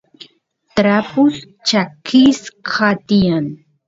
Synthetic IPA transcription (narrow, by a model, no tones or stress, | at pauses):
t̪ɾapʊs | t͡ʃakiskʰat̪ijan